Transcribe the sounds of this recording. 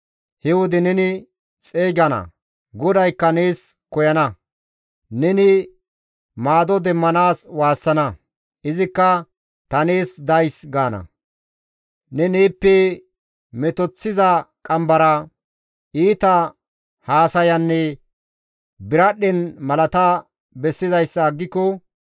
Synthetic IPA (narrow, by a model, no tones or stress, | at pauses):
hɛwʊd̪ɪnɛnɪ | t͡sʼeːɡɐnɐ̰ | ɡɔd̪ɐjkːɐneːs | kɔjɐnɐ | nɛnɪ | maːd̪ɔd̪ɛmːɐnaːswaːsːɐnɐ | ɪzɪkːɐ | t̪ɐneːsd̪ɐjsɡaːnɐ̰ | nɛneːpːɛ | mɛt̪ɔt͡sːɪzɐkʼɐmbɐɾɐ | ʔiːt̪ɐ | haːsɐjɐnːɛ | bɪɾɐɗɛnmɐlɐt̪a | bɛsːɪzɐjsːɐːɡːɪkːɔ